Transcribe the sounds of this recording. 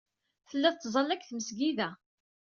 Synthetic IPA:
θəlːæðt̪ːzˤɑlːækθməsɡiðæ

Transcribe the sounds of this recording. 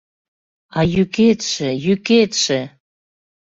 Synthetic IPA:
ɑjyket̪ʃĕjyket̪ʃĕ

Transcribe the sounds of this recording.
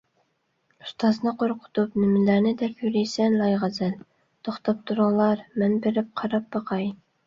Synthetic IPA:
u̥st̪ʰɑznɨqʰoɾqʰʊ̥t̪ʰup̚nɪmɪlæɾnɪd̪ɛpʰjyɾijsɛnlɑjʁɑzæl | t̪ʰoχt̪ʰɑp̚t̪ʰuɾɑŋlˠɑɾmɛnbeɾɪp̚qʰɑɾɑp̚bɑqʰɑj

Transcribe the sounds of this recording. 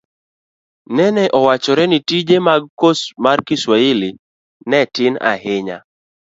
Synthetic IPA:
nɛnɛʔɔwat͡ʃɔɾɛnitid͡ʒemaɡ̚kosmarkɪswaɪlɪ | nɛtɪna̰hɪɲa̰

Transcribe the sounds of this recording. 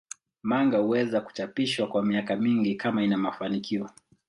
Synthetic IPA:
maŋɡahuwɛzaku̥t͡ʃapiʃwakwamiakamiŋɡikamainamafanikʰiɔ

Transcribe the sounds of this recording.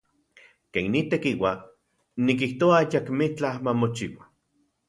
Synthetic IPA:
keːnnːit̪ekiwa | nik̬iht̪oaajakmit͡ɬamamot͡ʃiwa

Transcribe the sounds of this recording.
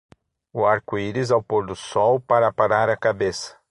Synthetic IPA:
ʊaɾkʊiɾizawpoɾd̪ʊsɔwpaɾɐpaɾaɾɐkabesɐ̥

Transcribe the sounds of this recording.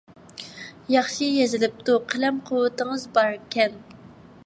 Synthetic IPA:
jɑχʃijezɪlɪp̚t̪ʰuqʰəlɛmqʰʊwːɨt̪ɨŋəzbɑɾkʲʰɛn

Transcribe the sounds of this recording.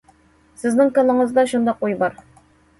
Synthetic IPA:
sɘ̆znɘŋkɤ̆lˠɤ̆ɴɤ̆zd̪ɑɕund̪ɑqujbɒɾ

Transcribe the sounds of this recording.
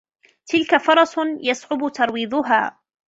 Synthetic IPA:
t̪ɪlkafɑɾˤɑsjasʕʊbʊt̪ɑɾˤwiːðˤʊɦa̰ː

